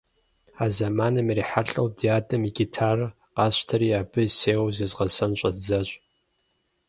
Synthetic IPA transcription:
aːzamaːnɐmiriːħaɬʼɐwdiaːdʼɐmiɡʲitʰaːr | qɑːɕtʰɐɾiːaːbɨseːwzɨzʁɐsɐnɕʷʼɐzɐɕʷʼ

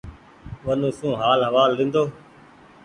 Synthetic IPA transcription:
ʋənũːsũːɦaːlɦəʋaːlːɪ̃ːnd̪oː

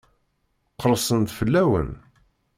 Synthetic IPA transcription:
qəɾˤsˤənd̪fəlːæwə̰n

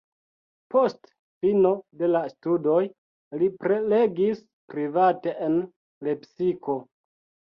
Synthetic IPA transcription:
po̞st | fino̞de̞lastudo̞j | lipɾele̞ɡis | pɾivate̞ʔen | le̞psiko̞

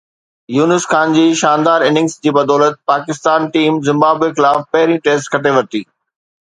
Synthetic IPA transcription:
juːnɪskaːnd͡ʑiːʃaːnd̪aːɾɪnɪ̃ŋsd͡ʑiːbɐd̪ɔːlət̪̚paːkɪst̪aːnʈiːmzɪ̃mbaːbexɪlaːfpɐɦɪɾĩʈeːsʈkʰɐʈeʋɐt̪iː

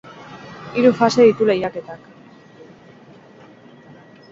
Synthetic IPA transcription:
iɾufase̞ðit̪ule̞jake̞t̪ak

